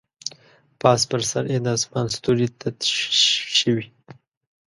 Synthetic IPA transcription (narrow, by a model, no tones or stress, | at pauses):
pɑspəɾsa̰ɾjed̪ɑsmɑnst̪uɾit̪ʰat̪ | ʃəwi